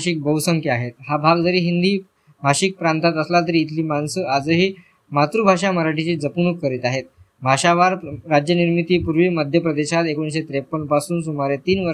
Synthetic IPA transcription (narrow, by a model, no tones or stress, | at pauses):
ɕiːk̚bəwsəŋkjaɦet̪̚habʱaɡd͡zəɾiːɦind̪iː | bʱaɕiːk̚pɾãnt̪at̪əslat̪̬əɾiːt̪ʰliːmansəad͡zəɦiː | mat̪ɾubʱaʂaməɾaʈit͡ɕiːd͡zəpunukːəɾit̪aɦet̪̚ | bʱaɕaʋaɾɾad͡ʑjəniɾmit̪iːpuɾʋiːməd̪ʱjəpɾəd̪eɕat̪ekoĩnsɕet̪ɾepːənpasuːnsumaɾet̪iːnʋə